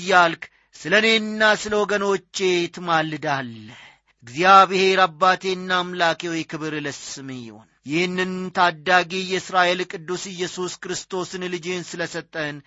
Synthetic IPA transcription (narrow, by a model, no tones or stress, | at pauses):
jːalkʰ | sɨləne̞nːasɨləwɔɡənɔt͡ʃːe̞t̪ʰɨmalɨd̪alːə | ɨɡzijaβɪhe̞ɾabːat̪ʰe̞nːamlakewɔjkʰɨβɨɾləsɨmjɪ̰ho̰njɪhɨnːɨnt̪ʰad̪ːaɡijɛɨsɾaʔe̞lkʼɨd̪ːusɪjːɛsuskɨɾɨst̪ʰo̞sɨnlɨd͡ʒensɨləsət̪ʼːən